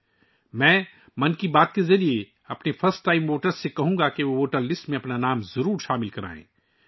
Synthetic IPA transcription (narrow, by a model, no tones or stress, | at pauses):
mɛ̃ː | mɐnkibaːt̪kezɐɾie | ɐpnefʰɐɾsʈːaːɪmːoːʈəɾsːekɐɦũːŋɡakeʋoʋoːʈəɾlɪsʈmẽɐpnanaːmzɐɾuːɾʃaːmɪlkɐɾa̰ːḛ̃ː